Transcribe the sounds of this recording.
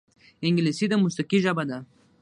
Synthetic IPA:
ɪŋɡlisid̪əmʊst̪aqiʒabad̪a

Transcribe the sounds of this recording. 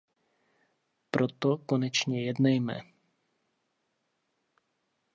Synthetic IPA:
pɾɔt̪ɔkonɛt͡ʃɲɛjɛd̪nɛjmɛ̰

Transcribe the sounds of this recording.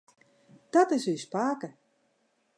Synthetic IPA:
d̥ɔtɪsyspaːkə

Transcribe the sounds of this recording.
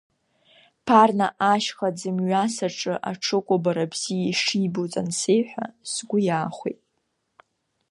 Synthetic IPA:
pʰarna̰ʔaʃχad͡zɨmɥasaʈ͡ʂʼɨʔa̰ʈ͡ʂʰɨkʷʼʊbaɾabz̥ijaʂibot͡sʼa̰nsejħʷᶣa̰sɡʷʊjaːχʷḛjtʼ

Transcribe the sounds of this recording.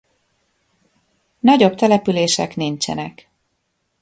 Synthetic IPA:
nɒɟo̞bt̪ɛlɛpyleːʃɛ̰knint͡ʃɛ̰nɛk

